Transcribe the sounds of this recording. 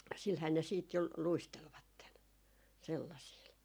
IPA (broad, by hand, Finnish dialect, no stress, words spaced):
silhæː ne siːt jo luistelʋɑtːen selːɑsiːl